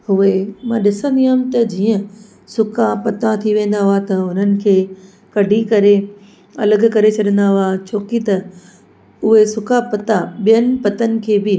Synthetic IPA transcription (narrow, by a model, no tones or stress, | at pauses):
hʊemãːɗɪsə̃nd̪iɦaːmt̪ɐd͡ʑiːə̃ | sʊkʰapɐt̪ãt̪ʰiʋẽːn̆d̪aɦʊat̪ɐʊnənɪ̆kʰeː | kɐɖʱikɐɾe | ɐ̰ləɡ̆kɐɾet͡ɕʰɐɗə̃nd̪aɦʊat͡ɕʰoːkit̪ɐ | ʊɦesʊkʰapɐt̪aɓijənɪ̆pɐt̪ənɪ̆kʰeːbɪ